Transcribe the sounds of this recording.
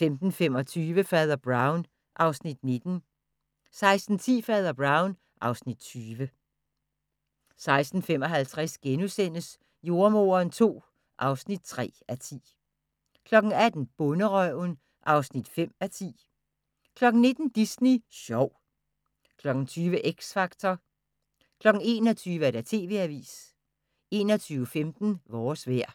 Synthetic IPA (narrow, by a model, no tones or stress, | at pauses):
femd̥n̩femɒ̽t͡sʰyːʋəfɛːð̞ˠɐb̥ʁɑ̈ʊn | ʔɑ̈ʊsnid̥ne̝d̥n̩ | sɑ̈ɪsd̥n̩t͡sʰḭːfɛːð̞ˠɐb̥ʁɑ̈ʊn | ʔɑ̈ʊsnid̥̚t͡sʰyːʋə | sɑ̈ɪsd̥n̩fem̰ɒ̽ɦælt͡sʰʁasɡ̥enusen̰əs | jo̝ɐmo̝̰ɐːnt͡sʰo̝̰ː | ʔɑ̈ʊsnid̥̚t͡sʰʁɛ̰ːæt͡sʰḭː | kʰlɒ̽ɡ̥n̩æd̥n̩b̥ɔ̽nəʁœʊn | ʔɑ̈ʊsnid̥fem̰æt͡sʰḭː | kʰlɒ̽ɡ̥n̩ne̝d̥n̩d̥isniɕɒʊ | kʰlɒ̽ɡ̥n̩t͡sʰyːʋəʔeɡ̥sfɑ̈ɡ̥t͡sʰɒ | kʰlɒ̽ɡ̥ŋ̩e̝ːnɒt͡sʰyːʋəæɐɾæt͡sʰe̝̰ːʋe̝̰æʋḭːs | e̝ːnɒt͡sʰyːʊəfemd̥n̩ʋɒːsʋæɐ̰